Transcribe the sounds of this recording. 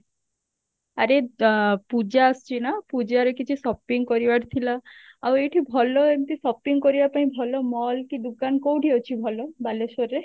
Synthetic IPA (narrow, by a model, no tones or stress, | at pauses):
aɾepud͡ʒast͡ʃʰinapud͡ʒaɾekit͡ʃʰisɔpiŋɡkɔɾibaɾt̪ʰilaawejʈʰibʱɔlɔent̪isɔpiŋɡkɔɾibapaĩbʱɔlɔmɔlkid̪ukankowʈiɔt͡ʃʰibʱɔlɔbalesɔɾːe